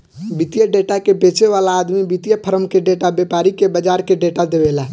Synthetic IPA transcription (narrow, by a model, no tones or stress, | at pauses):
bit̪ijəɖeʈakebet͡ʃeʋalaːd̪mibit̪ijəpʰəɾəmkeɖeʈabepaɾikebəd͡ʒaɾkeɖeʈad̪ebela